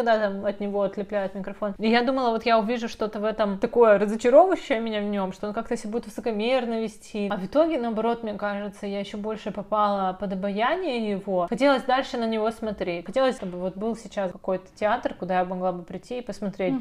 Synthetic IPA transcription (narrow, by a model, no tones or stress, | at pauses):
ɐɡ̚d̪at̪amɐt̪nʲɪvo̞ɐt̪lʲɪplʲæjʊt̪mʲɪkɾɐfo̞nɪjad̪uməlˠəvo̞t̪jaʊvʲiʐʊʂt̪o̞t̪əvɛt̪əmt̪ɐko̞jəɾəzət͡ɕɪɾo̞vəɕːɪjəmʲɪnʲavnʲo̞mʂt̪oonkak̚t̪əjsʲɪbudʲɪt̪vɨsəkɐmʲernəvʲɪsʲtʲʰiɐvɨt̪o̞ɡʲɪnɐɐbɐɾo̞t̪mnʲekaʐɨt̪səjajɪɕːobo̞lʲʂɨpɐpalˠəpəd̪ɐbɐjanʲɪjəjɪvo̞xɐtʲelˠəsʲd̪alʲʂɨnənʲɪvo̞smɐt̪ɾʲetʲxɐtʲe̞lˠəsʲt̪obɨvo̞t̪̚bɨlˠsʲɪt͡ɕaskɐ̥ko̞jt̪ə̥tʲɪat̪rkʊd̪ajabmɐɡlˠabɨpɾʲɪtʲːiːpəsmɐt̪ɾʲet̚ʲ